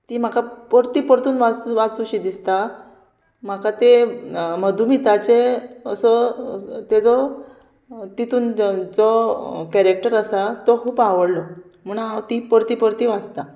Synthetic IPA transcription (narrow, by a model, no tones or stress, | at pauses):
t̪im̤akapəɾt̪iːpəɾt̪uːnʋat͡suʋat͡suɕid̪ist̪a | m̤akat̪eməd̪ʱumit̪at͡ɕeəsət̪ed͡zɔ | t̪it̪uːnd͡zɔkɛɾek̚ʈəɾəsat̪ɔkʰuːpaʋəɽlɔ | m̤ənaawt̪ipəɾt̪iːpəɾt̪iːʋad͡zt̪a